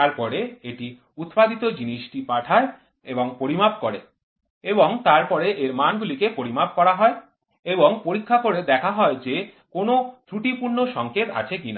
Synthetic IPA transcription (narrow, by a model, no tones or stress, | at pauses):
t̪aɾpɔɾeeʈi | ut̪pad̪it̪od͡ʑiniʃʈipaʈʰae | eboŋpoɾimabkoɾe | eboŋt̪aɾpɔɾeʔeɾmanɡulikepoɾimab̚kɔɾaɦɔe | eboŋpoɾikʰːakoɾed̪ɛkʰaɦɔed͡ʑe | konot̪ɾuʈipuɾnoʃɔŋket̪a̰t͡ɕʰekina̰